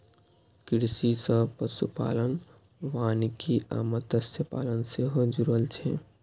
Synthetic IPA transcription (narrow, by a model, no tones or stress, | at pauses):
kɪɾsisəpəsṵpa̰ːlən | ʋaːnikia̰ːmət̪əsjəpa̰ːlənseɦod͡ʒuɾəlt͡ʃʰe